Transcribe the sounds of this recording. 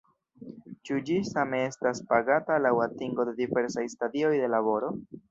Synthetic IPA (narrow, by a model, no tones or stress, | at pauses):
t͡ʃud͡ʒisame̞e̞staspaɡatalawatiŋɡo̞dedive̞ɾsajstadio̞jde̞laβo̞ɾo̞